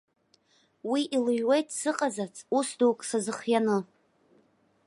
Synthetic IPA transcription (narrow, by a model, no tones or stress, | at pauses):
wiʔilɨɥwejtʼsɨqʼazat͡sʰʼusduwkʼsazɨχjanɨ